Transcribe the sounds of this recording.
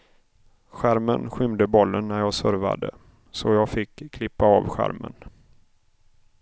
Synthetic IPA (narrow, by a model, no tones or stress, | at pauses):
ɧæɾmənɧʏmd̪əbɔlːənːæɾjɑːsœɾva̰d̪ə̰ | sɔjɑːɡfɪkʰːlɪpːaɑvɧæ̰ɾmə̰n